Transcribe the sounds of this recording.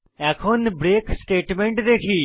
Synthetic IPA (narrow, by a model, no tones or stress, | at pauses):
ɛːkʰoːnbɾeːksʈeːʈmeɳʈd̪eːkʰiː